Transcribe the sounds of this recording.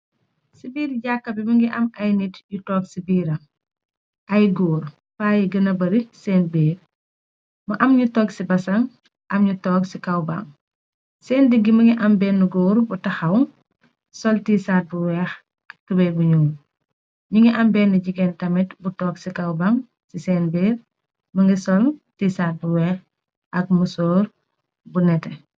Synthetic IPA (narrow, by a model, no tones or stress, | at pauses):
sibiːɾɟakːɐbimuŋɡiʔɐmɐjnitjutɔːɡsibiːɾɐ | ʔɐjɡoːɾ | faːjiɡɐnɐbɐɾisɛːnbɛː | mɐʔɐmɲutɔːɡsibɐsɐŋ | ʔɐmɲutɔːksikɐwba̰ŋ | sɛːndəɡːimɐŋɡiʔɐmbɛːnːuɡoːɾbutɐxɐwŋ | sɔltiːsaːt̚buwɛːx | kubɛbuɲuːn | ɲuŋɡiʔɐmbɛːnːuɟiɡɛntɐmɛtbutɔːksikɐwbaŋ | sisɛːnbɛːɾ | mɐŋɡisɔltiːsaːt̚buwɛːx | ʔɐk̚musoːɾ | bunɛtɛ